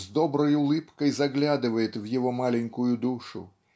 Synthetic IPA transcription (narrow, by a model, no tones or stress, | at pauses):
zd̪ɔbɾɔjʊlˠɪpkɔjzɐɣlʲad̪ɪʋɐjɪt̪ʲwjɔɦɔmɑlʲɛnʲkʊjʊd̪uʃʊ̰